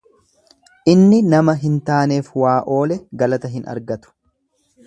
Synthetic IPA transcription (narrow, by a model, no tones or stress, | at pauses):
ʔɪnːɪnɐmɐɦɪnt̪aːne̞ːfwaːʔo̞ːlɛɡɐlɐt̪ɐɦɪnɐ̰ɾɡɐt̪ʊ̥